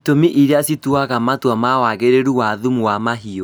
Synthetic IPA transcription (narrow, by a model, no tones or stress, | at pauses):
tomiʔiɾeasituaɣamatwɔmawaɣeɾeɾuwaðumuwamaɦio